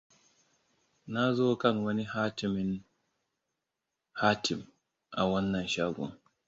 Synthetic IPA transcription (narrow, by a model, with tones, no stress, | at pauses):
na˦zoː˦kɐ˦˨ŋwɐ˦ni˦haː˦tɪ˨mɪ˦n | haː˦tʰɪ˨m | ʔa˨wɐ˦nːɐ˨nʃaː˦ɡʷɔ̰˨ŋ